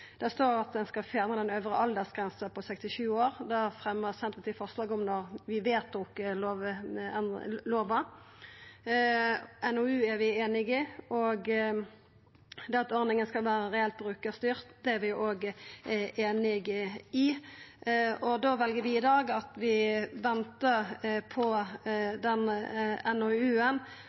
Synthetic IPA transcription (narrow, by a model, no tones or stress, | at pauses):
d̪̥ɛst̪oːʁɑt̪̚d̪ɛnskɑlfjɑːnəd̪ɛnøːʋʁəʔɑld̪əsɡ̥ʁɛnsəpʰɔsɛkst̪ɪʃʉːoːʁd̪æʁfʁɛmːəʁsɛnt̪ət̪ɪfɔʁslɑːɡɔmnɔʁʋɪʋeːt̪̚ɔk̪oːʋɛnloːʋɑ | ɛnɔʉːæɾʋɪeːnɪɡɪɔɡ | d̪ɛɑt̪ɔʁnɪŋənskɑlʋæːʁəʁɛɛlt̪̚bʁʉːkəst̪yːʁt̪d̪̥ɛæʁʋɪʔoːɡ | eːnɪɡɪ | ɔd̪oːʋɛlɡəɾʋɪɪd̪ɑːɡɑt̪ʋɪʋɛnt̪əʁpʰɔd̪ɛnɛnoʉːən